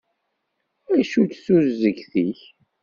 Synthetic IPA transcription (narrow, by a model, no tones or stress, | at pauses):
æʃutsuzːəɡθiç